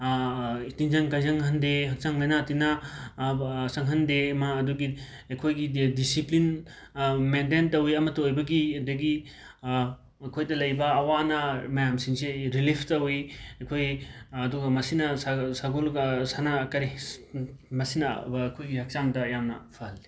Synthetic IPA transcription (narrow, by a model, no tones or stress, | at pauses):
itinzɐŋkajzɐŋɦɐndeɦɐk̚saŋlɐjnatina | sɐŋɦɐndemaːduɡi | ɐjkʰojɡidisiplin | mendentɐwiɐmɐtɐojbɐɡidɐɡi | ɐkʰojdɐlɐjbɐːwanɐmɐjamsiŋseɾilipʰtɐwiɐkʰojɐduɡɐmɐsinɐsasaɡulsanakɐɾi | mɐsinɐkʰojɡihɐk̚t͡ʃaŋdɐjamnɐ̰pʰahɐli̥